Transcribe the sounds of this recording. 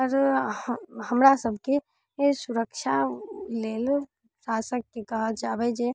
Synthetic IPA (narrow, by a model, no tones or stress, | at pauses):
ɔɾ | həmɾasəbʱke | sʊɾəkʃaleːl | ʃaːsək̚ːikɐɦəd͡ʒaːbɛd͡ʒe